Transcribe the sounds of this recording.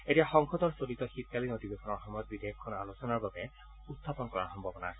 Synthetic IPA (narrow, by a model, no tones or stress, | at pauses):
etiaxɔŋxɔtɔɹsolitɔxit̚kalinotibexɔnɔɹxɔmɔjɔt̪̚bidʱejɔkʰːɔna̰losɔnaɹbabɛ | utʰːapɔnkɔɹa̰ɹxɔmbʱabɔna̰ɹ